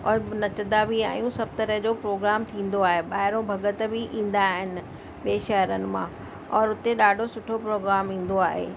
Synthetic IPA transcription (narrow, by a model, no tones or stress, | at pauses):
ɔːɾnɐt͡ɕd̪abia̰ːjũsɐb̚ʱt̪ɐɾəɦd͡ʑoːpɾoːɡɾaːmt̪ʰĩːn̆d̪oaːɦeɓaːɦɪɾõbʱɐɡət̪bɪʔĩːn̆d̪aːɦɪnɪ̆ | ɓeːʃɐɦəɾənɪ̆mã | ɔːɾʊt̪eɗaːɖʱosʊʈʰopɾoːɡɾaːmĩːn̆d̪oaːɦḛː